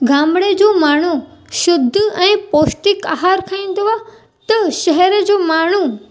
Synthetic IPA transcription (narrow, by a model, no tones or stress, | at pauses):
ɡʱãːmɽed͡ʑoːmaːɳ̤uʃʊd̪ʱːɛ̃ːpoːsʈɪkaɦaːɾkʰɐĩnd̪oa | t̪ɐʃɛɦɛɾəd͡ʑoːmaːɳ̤u